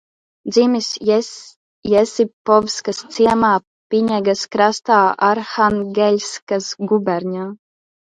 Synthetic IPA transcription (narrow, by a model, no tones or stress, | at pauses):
d̪zimʲis | jɛsipɔvskast̪siɛmaː | pʲiɲɛɡaskɾast̪aːaɾxanɡʲɛlʲskasɡubʲɛɾʲɲʲaː